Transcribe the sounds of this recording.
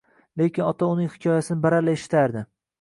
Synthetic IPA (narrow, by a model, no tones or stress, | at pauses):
le̞kʲɪnɒt̪ʰaʊnɪŋhɪ̥kʰʲɒjasɪnɪbaɾalaeʃɪ̥t̪ʰaɾd̪ɪ